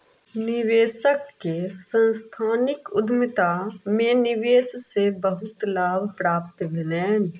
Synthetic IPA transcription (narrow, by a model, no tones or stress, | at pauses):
nɪʋeːsəkːesə̃nst̪ʰaːnɪkʊd̪mɪt̪amẽnɪʋeːssebəɦʊt̪laːbʱpɾaːp̚t̪ʋɪnɛːn